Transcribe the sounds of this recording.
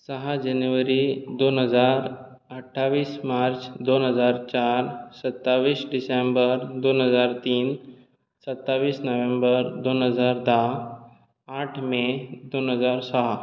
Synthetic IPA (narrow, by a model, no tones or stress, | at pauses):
səɦad͡ʑanuʋəɾid̪onɦəd͡zaɾ | əʈʰːaʋiːsmaɾt͡sd̪onɦəd͡zaɾt͡ɕaɾsət̪ːaʋiːsɖisembəɾd̪onɦəd͡zaɾt̪iːn | sət̪ːaʋiːsnəʋẽmbəɾd̪onɦəd͡zaɾd̪a | aʈʰmed̪onɦəd͡zaɾsəɦa